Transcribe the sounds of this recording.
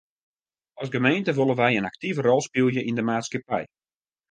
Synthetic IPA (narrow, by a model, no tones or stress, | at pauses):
ɑsɡəmejntəʋolˠənʋɛjənak̚tivərɔlˠspilˠjəʔindəmaːtskəpɛ̰j